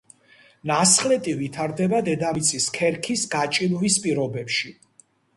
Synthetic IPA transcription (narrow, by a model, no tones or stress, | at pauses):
nasχlɛt̪ʼivit̪ʰaɾd̪ɛbad̪ɛd̪amit̪sʰiskʰɛɾkʰisɡat͡ʃʼilvispʼiɾɔbɛpʃi